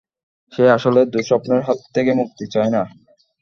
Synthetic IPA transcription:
ʃeaʃoled̪uɾʃɔpneɾɦɔt̪ʰːekemuk̚t̪it͡ɕɔena

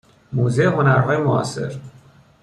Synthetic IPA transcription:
moːzeeɦo̞næɾɦɒːjemoɒ̰ːse̞̰ɾ

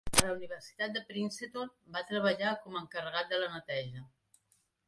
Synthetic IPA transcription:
ələuniβ̞ərsi̥t̪at̪̚d̪əpɾinset̪onbat̪ɾəβəʎakɔməŋkərəɣat̪̚d̪ələnət̪ɛʒə

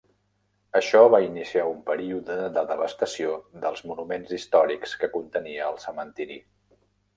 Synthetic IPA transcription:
əʃɔβainisiaumpəɾiuðəðəðəβəst̪əsioðəlˠzmunumenzist̪ɔɾikskəkunt̪əniəːlˠsəmənt̪iɾḭ

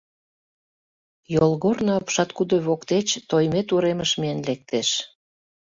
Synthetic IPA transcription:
jolˠɣornoɑpʃɑt̪kud̪oβokt̪et͡ɕt̪ojmet̪uɾeməʃmienlek̚t̪eʃ

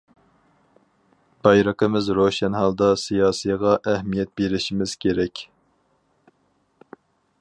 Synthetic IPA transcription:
b̥ɑjɾəqəmɪzɾoʃɛnɦɑlˠd̪ɑsijɑːsɨjʁɑʔæhmijɛt̪̚beɾɪʃimɪz̥kʲʰeɾɛkʲ

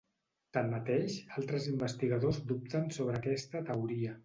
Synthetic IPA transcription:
t̪anːət̪eʃalˠt̪ɾəzimbəst̪iɣəðozd̪up̚t̪ənsoβ̞ɾəːkɛst̪ət̪əwɾiə

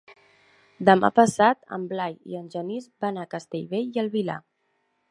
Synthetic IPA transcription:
d̪əma̰pəsat̪ə̰mblajḭənʲʒənizbanakəst̪eʎβeʎiəlˠβila̰

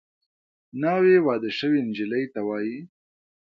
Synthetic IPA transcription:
nɑːwewɑd̪əʃəwind͡ʒɪləjt̪awɑːji

